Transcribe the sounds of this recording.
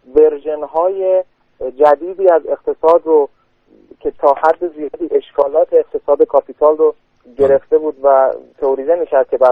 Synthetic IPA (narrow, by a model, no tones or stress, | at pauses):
ve̞ɾʒenɦɒːje̞ | d͡ʒæd̪iːd̪iːæze̞qt̪ʰe̞sɒːd̪ro | cʰe̞t̪ʰɒːhæd̪ːe̞ziːd̪iːʔe̞ʃkʰɒːlɒːt̪ʰe̞ːqt̪ʰe̞sɒːd̪e̞kʰɒpʰit̪ʰɒːlro | ɟe̞ɾe̞ft̪e̞buːd̪væt̪ʰooɾiːd̪emiːkʰʲæɾd̪̥̚kʲʰe̞bæ